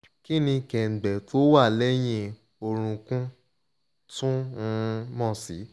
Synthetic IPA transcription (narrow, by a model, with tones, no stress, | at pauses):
ki˦nĩ˧kɛ˨ɡ͡bɛ˨to˦wa˦˨lɛ˦j̃ĩ˧ | o˧ɾ̃ũ˧kũ˦ | tũ˦˧˦ | mɔ̃˦˨si˨˦